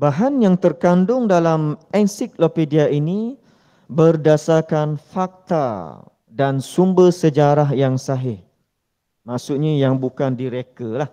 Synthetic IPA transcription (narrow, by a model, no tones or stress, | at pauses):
baɦanjaŋt̪ərkandʊŋdalamɛnsiklopediaini | bərdasakanfak̚t̪a̰ | dansumbərsəd͡ʒaɾaɦjaŋsaɦɪh | maʔsʊʔɲajaŋbukandiɾekəlah